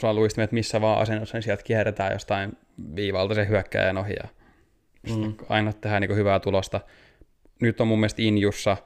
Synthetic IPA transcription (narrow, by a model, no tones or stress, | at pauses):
sɑluist̪imet̪misːæʋɑːʔɑ̰senːosːɑnisiælt̪kiɛret̪æːjo̰st̪ɑin | ʋiːʋɑlt̪ɑsehyækːæ̰ːjenohḭjɑ̰ | sit̪ːɑ̰inot̪ːehæːniːŋkohyʋæːt̪ulost̪ɑ | nyt̪ːomumːielst̪injusːɑ